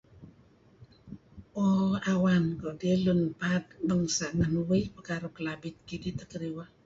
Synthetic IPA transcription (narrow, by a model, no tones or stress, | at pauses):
oawankodiəlunpat̪̚bəŋsaʔnənuwəjpəkaɾukəlabit̪̚kidit̪əkəɾiwa